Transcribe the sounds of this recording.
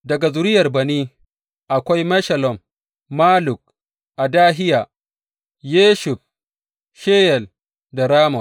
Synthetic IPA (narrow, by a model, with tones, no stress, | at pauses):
dɐ˨ɡa˨zʊ˨ɾɪ˦jɐ˨rbɐ˨niː˦ | ʔa˨kʷa˦jmɐ˦ʃɐ˨lɔ˨mː | aː˦lʊ˨k̚ | ʔa˨daː˦ɦɪ˦jaː˨ | jeː˦ʃʊ˨ɸ | ʃeː˦jɛ˨l | da˨ɾaː˦mɔ˨